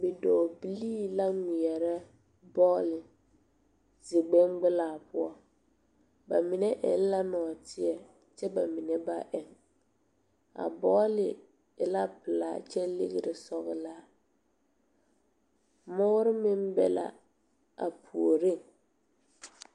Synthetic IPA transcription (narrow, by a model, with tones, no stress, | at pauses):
bɪ˨dɔ˨bi˦liː˦la˦ŋi˨ɛ˨ɾɛ˦ | bɔː˦lɪ˨ | zɪ˨ɡ͡bɛ˦ŋɡ͡bɪ˦laː˨pʊ˦ɔ˦ | ba˨mi˨nɛ˦ʔɛ̰˨n˦la˦nɔ˨tʰɪ˦ɛ˨ | t͡ʃɛ˦ba˨mi˨nɛ˦ba˦ʔɛ˨ŋ | a̰˨bɔː˦lɪ˨ | ɪ˨la˦pɪ˨la̰ː˨t͡ʃɛ˦lɪ̰˦ɣɪ˨ɾɪ˨sɔ˦ɣɪ˦laː˦ | mʊ˦ɾɪ˦mɪ˦m˦bɛ̰˦˨la̰˨ | a̰˨pʰu˨o˨ɾɪ˦˨ŋ